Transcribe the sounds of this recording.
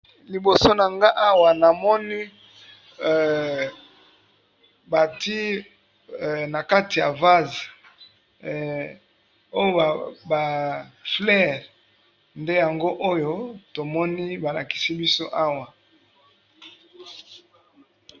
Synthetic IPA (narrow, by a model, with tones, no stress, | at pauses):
li˨bo˨so˦na˨ŋɡa˦ʔa˦wa˨na˨mɔ˦ni˦˨ | ba˨ti˦˨ | na˨ka˦ti˨ja̰˨va˦zi˨ | o˦jo˦˨ba˨flɛ˦˨ʁ | nde˦ja˨ŋɡo˦ʔo˦jo˦to˨mɔ˦ni˦ba˨la˨ki̥˨si˦bi˦so˦ʔa˦wa˨